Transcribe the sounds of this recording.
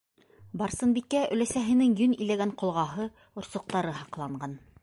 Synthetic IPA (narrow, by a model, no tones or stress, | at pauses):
bɑɾsɤ̆nbikːæʔɵ̰̆læsæɦɘ̆nɘŋjɵnilæɡæɴqŏlˠʁɑɦɤ | ŏɾsŏq̚t̪ɑɾɤɦɑqlˠɑɴɢɑn